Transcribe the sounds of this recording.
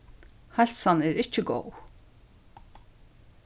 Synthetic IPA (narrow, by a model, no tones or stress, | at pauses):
halʲsanɛɾɪt͡ʃːɪɡo̰w